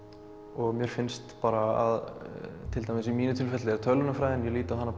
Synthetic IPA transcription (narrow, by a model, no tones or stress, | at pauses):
ɔɣmjœːɾ̥fɪnst̪paːɾaa̰ðt̪ʰɪlt̪ajmɪsimiːnʏt̪ʰɪlfɛt̪lɪɛɾ̥t̪ʰœlʏnafɾajðɪnjɛliːt̪ahanːa